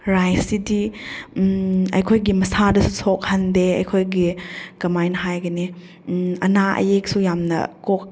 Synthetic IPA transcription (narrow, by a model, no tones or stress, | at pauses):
ɾajsidi | ɐ̰jkʰojɡimɐsadɐsusok̚hɐndeɐjkʰojɡikɐmajnɦajɡɐni | ɐ̰naɐ̰jek̚sujamnɐ̰kok̚